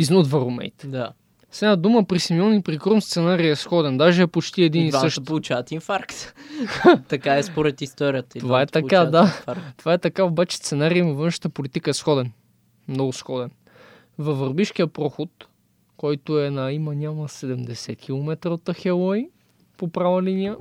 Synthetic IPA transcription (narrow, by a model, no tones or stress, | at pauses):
iznod̪vɐɾomɛ̰jt̪d̪a | sɛnad̪uməpɾisimiɔnipɾikɾomst̪sɛnaɾiɛsxɔd̪ɛnd̪aʒɛɛpot͡ʃt̪iɛd̪iniɤʃt̪olˠut͡ʃavɐt̪infaɾkt̪ | t̪ɐkaɛspoɾɛt̪ist̪ɔɾijət̪əit̪ovvaɛt̪t̪ɐkad̪at̪ovaɛt̪ɐkaobat͡ʃɛ̥st̪sɛnaɾijnɐvɤnʃə̥t̪əpolit̪ikəɛsxɔd̪ɛn | mnɔɡʊsxɔd̪ɛn | vɐvɐɾbiʃkiəpɾɔxot̪ | kɔjt̪ʊɛnɐimənʲaməsɛd̪ɛmd̪ɛsɛt̪kʲilˠomɛt̪ɾəot̪ːəxɛlˠɔj | popɾavəlinijə